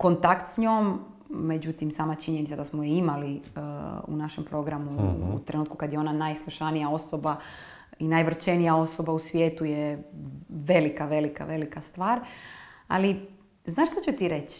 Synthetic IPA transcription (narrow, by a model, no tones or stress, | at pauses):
ko̞nt̪akt̪sɲoːmːe̞d͡ʑut̪imsaːmat͡ʃiɲenit̪sad̪asmojeimali | ṵnaʃempɾo̞ɡɾamuṵt̪ɾenuːt̪kukad̪jeo̞nanajslˠuʃanijao̞soba | inajʋr̩t͡ʃenijao̞so̞bausʋje̞ːt̪uje | ʋe̞likaʋe̞lika̰ʋe̞likast̪ʋaːɾ | a̰li | znaːʃt̪ot͡ɕut̪iɾe̞t͡ɕ